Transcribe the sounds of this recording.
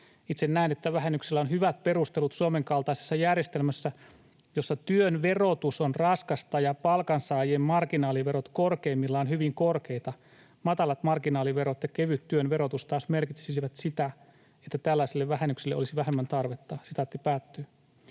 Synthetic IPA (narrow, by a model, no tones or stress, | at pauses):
it̪sennæinet̪ːæʋæɦenːykselːæonhyʋæt̪̚pe̞rust̪elut̪suomeŋkɑlt̪ɑisesːɑjærjest̪elmæsːæ | josːɑt̪yønʋerot̪usonrɑskɑst̪ɑjɑpɑlkɑnsɑːjemmɑrkinɑːliʋe̞ɾot̪korkeːmːilːɑonhyʋiŋkorkeit̪ɑ | mɑt̪ɑlɑt̪mɑrkinɑːliʋeɾot̪jɑkeʋyt̪ːyønʋe̞ɾo̞t̪ust̪ɑːsme̞rkit̪sisiʋæt̪sit̪æ | et̪ːæt̪ælːæisilːeʋʋæhenːyksileʔolisiʋæɦemːænt̪ɑrʋet̪ːɑsit̪æt̪ːipæːt̪ːøː